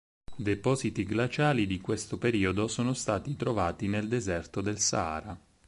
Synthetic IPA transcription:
d̪epɔːzit̪iɡlat͡ʃaːlid̪ikwest̪opeɾiːod̪osoːnost̪aːt̪it̪ɾovaːt̪ineld̪ezɛrt̪od̪elsa̰ːɾa

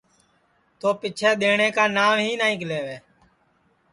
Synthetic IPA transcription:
t̪oːpɪt͡ʃʰɛːɗ̪eːɳeːkaːnaːmɦiːnaːĩːkleːʋeː

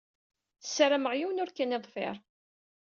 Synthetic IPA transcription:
θəsːɾəməʁjiwnʊɾkæniðˤfɪ̰ɾˤ

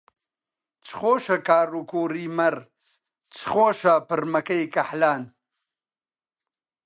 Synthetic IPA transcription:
t͡sχoːʃɐkaːɾukoːɾiːmɐɾ | t͡sχoːʃapəɾmɐkɐjkɐħlaːn

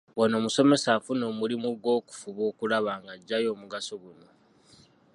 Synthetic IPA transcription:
wano̞ːmuso̞me̞saːfuno̞mulimuɡwo̞ːku̥fuβo̞ːkulaβaːŋɡaɟːajo̞ːmuɡasoɡuno̞

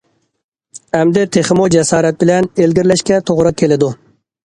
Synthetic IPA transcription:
æmd̪et̪ʰeχɪmod͡ʒasɑːɾat̪̚bɪlænelɡʲɪɾlæʃkʲɛt̪ʰoʁɾɨkʲʰelɪd̪ʊ

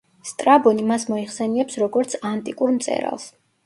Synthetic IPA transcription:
st̪ʼɾabɔnimasmɔiχsɛniɛpsɾɔɡɔɾt̪sʰant̪ʼikʼuɾmt̪sʼɛ̰ɾa̰lˠs

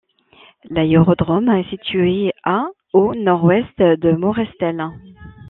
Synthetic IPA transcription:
laøʁɔd̪ʁɔmaɛsit̪ɥyea | onɔʁwɛst̪d̪əmɔʁɛst̪ɛl

